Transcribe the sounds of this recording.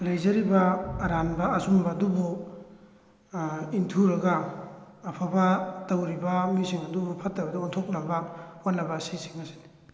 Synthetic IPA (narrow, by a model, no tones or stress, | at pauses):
lajzɐɾibaːɾanbaːsumbaːdubu | intʰuɾɐɡaː | pʰabatawɾibamisiŋɐdubupʰatːabɐdauntʰok̚nabawanːɐbasisi̥ŋasini̥